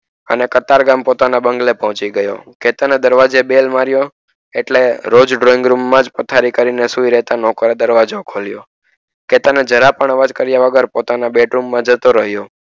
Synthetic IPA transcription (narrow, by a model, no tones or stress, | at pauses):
ə̰nekət̪aɾɡampot̪anabəŋɡlepɔɦɔ̃t͡ʃiɡəjo̰ket̪əned̪əɾʋad͡ʒebelmaɾjo | eʈleɾod͡ʒɖɾoĩŋɡɾumːãd͡ʒpət̪ʰaɾikəɾinesuiɾɛɦt̪anɔkəɾed̪əɾʋad͡ʒokʰoljo̰ | ket̪əned͡ʒəɾapəɳ̃ʋəd͡ʒkəɾjaʋəɡəɾpot̪anabeʈɾumːãd͡ʒət̪oɾəɦjo